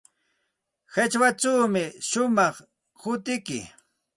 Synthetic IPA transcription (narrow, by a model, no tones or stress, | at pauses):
hat͡ʃwaʈ͡ʂawmɪʃʊmɑχ | hʊt̪ɪkɪ̰